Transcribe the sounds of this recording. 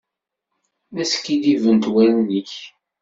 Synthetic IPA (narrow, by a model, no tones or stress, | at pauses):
mæsə̥kːid̪ivənt̪wæɾənːiç